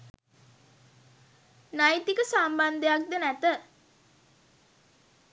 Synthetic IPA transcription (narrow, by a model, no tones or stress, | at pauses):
najt̪ikəsamband̪əjak̚d̪ənæt̪ə